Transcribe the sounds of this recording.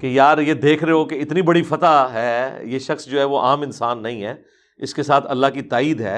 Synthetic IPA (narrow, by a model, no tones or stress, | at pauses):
kejaːɾjed̪eːkʰɾeɦeɦokeɪt̪nibɐɽifɐt̪aɦɛːjeːʃɐxsd͡ʒoːɦɛʋoʔaːmɪnsaːnːɐɦĩɦɛː | ɪskesaːt̪ʰɐlːakit̪aːiːd̪ɦɛː